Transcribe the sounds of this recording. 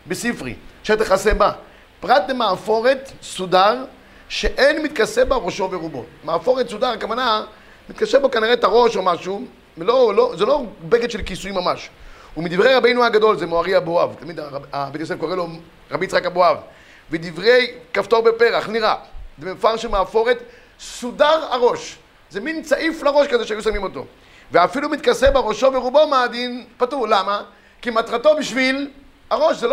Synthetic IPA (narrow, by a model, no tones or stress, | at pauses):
besifʁḭʃat̪aχaseba | pʁat̪lemaːfo̞ʁet̪sudaʁ | ʃeʔenmit̪̚kasebaʁoʃo̞veʁubo̰maːfo̞ʁet̪sud̪aʁakavana | mit̪kasebokaniʁet̪aʁo̞ʃomaʃu | elolozelo̞beket̪ʃelkisuimamaʃumid̪ivʁejʁabejnuaɡad̪o̞lzemoaʁiaboavt̪amid̪aamit̪̚kasevkoʁelo | ʁabit͡sʁakaboav | ved̪ivʁe̞jkaft̪o̞ʁbepeʁaχniʁazemefaʁʃelmaːfo̞ʁet | sudaʁaʁo̞ʃ | zemint͡saʔiflaʁo̞ʃkazeʃeajusamimo̞t̪o̞̰ | veafilumit̪kasebaʁo̞ʃo̞veʁubomaːd̪inpatuʁlama | kimat̪ʁato̞biʃvil | aʁo̞ʃzel